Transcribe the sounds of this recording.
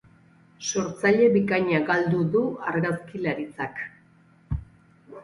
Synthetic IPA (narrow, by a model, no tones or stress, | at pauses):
so̞ɾt͡saʎe̞βikaɲaɡald̪uðuaɾɣaskilaɾit͡sak